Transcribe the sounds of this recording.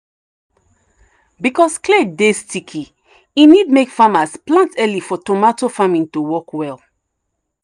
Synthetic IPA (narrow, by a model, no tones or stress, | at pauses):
bikɔskledestikʰi | inid̚mekfamasplãntɛlifɔtomatofamĩntuwɔkwɛlˠ